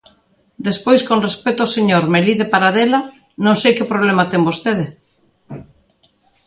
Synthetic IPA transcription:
d̪espojskonrespet̪ooseɲoɾmeliðepaɾaðela | nõŋsejkɪpɾoβ̞lemat̪eŋbost̪eð̞e

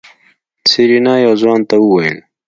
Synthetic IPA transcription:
siɾinaːjoːzwaːnt̪auwɐil

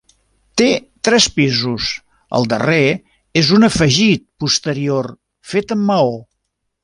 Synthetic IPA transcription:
t̪et̪ɾɛspizus | ə̰lˠd̪ə̰re | ezunəfəʒit̪̚pust̪əɾior | fet̪əmːəo

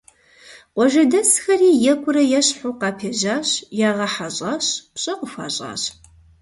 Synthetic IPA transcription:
qʷɔʒɐdɐsxɐriːjɛkʷʼʊɾɐjɛɕħuqɑːpʰeːʑaːɕjaːʁɐħaɕʼaːɕpɕʼɐqʷʊxʷa̰ːɕʼa̰ːɕ

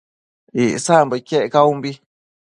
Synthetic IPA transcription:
iʔsambakeʔkaumbi

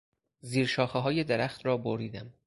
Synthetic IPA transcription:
ziːɾʃɒːxeɦɒːjed̪eɾæxt̪ɾɒːboɾiːd̪æm

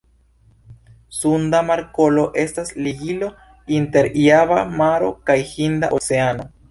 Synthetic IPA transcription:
sundamaɾko̞lo̞ʔe̞stasliɡilo̞ | inte̞ɾiaβamaɾo̞kajhinda̰ʔot͡se̞ano̞

